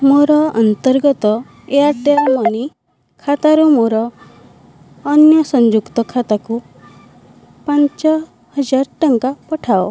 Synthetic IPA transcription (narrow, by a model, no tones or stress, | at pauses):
moɾɔɔ̰nt̪ɔɾɡɔt̪ɔ | eaʈ̪eɾmɔni | kʰat̪aɾumoɾɔ | njɔsɔɲd͡ʒukt̪ɔkʰat̪aku | paɲt͡ʃɔ | hʌd͡ʒaɾʈɔŋkapɔʈʰao